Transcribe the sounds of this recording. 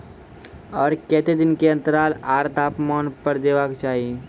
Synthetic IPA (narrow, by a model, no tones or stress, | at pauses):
ɔːɾkɛːt̪ed̪ɪnkeɐ̃nt̪əɾaːlaːɾt̪aːpmaːnpəɾd̪eːʋaːkt͡ʃaːɦie